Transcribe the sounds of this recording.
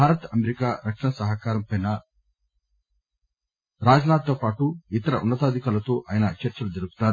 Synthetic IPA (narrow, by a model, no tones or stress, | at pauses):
bʱaːɾɐt̪ɐmeɾikaːɾɐkʂɐnɐsɐɦɐkaːɾɐmpɐjnɐ | ɾaːd͡ʒɐnaːt̪̚ːoːpaːʈuit̪ɐɾɐʔunːɐt̪aːd̪ʱikaːlɐt̪oːʔaːjɐnɐt͡ʃɐɾt͡ʃɐlud͡ʒɐɾuɡu̥t̪aːɾu